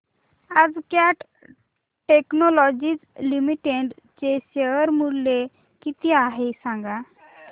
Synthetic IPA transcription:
ad͡zkjaʈ | ʈeknɔlɔd͡ʑit͡slimiʈeɳɖ | t͡ɕeɕeʋəɾmulːe | kit̪iaɦesãŋɡa

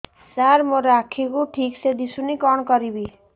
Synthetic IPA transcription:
saɾmoɾakʰikuʈʰiksed̪isunikɔɽ̃ɔkɔɾibi

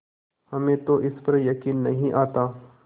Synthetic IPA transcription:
hɐmẽːt̪oʔɪspɐɾjɐkiːnːɐɦĩʔaːt̪aː

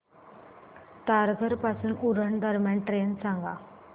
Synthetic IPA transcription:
t̪aɾɡʱəɾpasuːnuɾəɳd̪ʱəɾmjaɳʈɾensãŋɡa̰

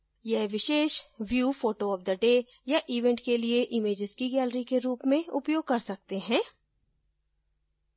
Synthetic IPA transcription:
jɛɦʋɪʃeːʃʋjuːfoːʈoɔːʋd̪əɖeː | jaʔiːʋɛ̃ɳʈkelieʔɪmeːd͡ʒɪzkiɡɛːləɾikeɾuːpmẽʊpjoːɡ̚kɐɾsɐk̚t̪eɦɛ̃ː

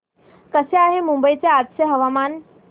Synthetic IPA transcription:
kəseaːɦemũmbəit͡seaːd̪seɦɐʋaːmaːn

